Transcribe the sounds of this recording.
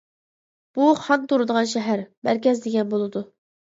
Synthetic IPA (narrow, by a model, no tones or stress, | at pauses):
b̥uχɑnt̪ʰoɾɨd̪əʁɑnʃɛɦæɾmæɾkʲɛzd̪eɡʲɛnbolˠɨd̪u